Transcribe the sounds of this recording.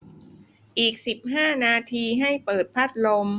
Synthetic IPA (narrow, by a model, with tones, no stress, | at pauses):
ʔiː˨˩k̚si˨˩p̚ɦaː˥˩naː˧t̪ʰiː˧ɦa˥˩jpɤː˨˩t̪̚pʰa˦˥˩t̪̚lo˧m